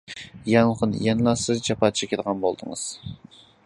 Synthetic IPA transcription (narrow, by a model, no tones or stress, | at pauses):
jɑŋχʊnjɛnlˠɑsɨzd͡ʒɑpɑt̪̚t͡ʃʰɛkʲed̪ʁɑnbolˠd̪ɨŋɨ̰z̥